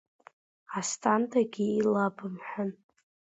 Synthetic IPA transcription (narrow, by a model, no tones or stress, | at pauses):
astʼʰantʼaɡʲiilabɨmħʷᶣʊn